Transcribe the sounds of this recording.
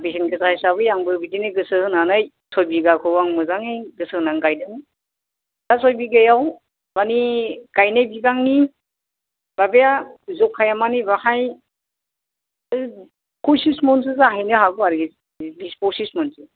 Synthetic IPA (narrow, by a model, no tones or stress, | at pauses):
bisʰinɡɯsahajsaβɯjaŋbɯbidinɯɡɯsɯhɯnanɯj | sʰɔjbiɡakʰɯbaŋmɯzaŋeɡɯsɯhɯnaŋɡajdɯŋ | z̥asɔjbiɡajaw | maniɡ̥ajnɯjbiɡaŋni | b̥abejazɔkʰːajamanibahaj | kʰusismɔns̬ɯzaɦajnɯhaɡɔaɾɡi | bispɔsismɔnsɯ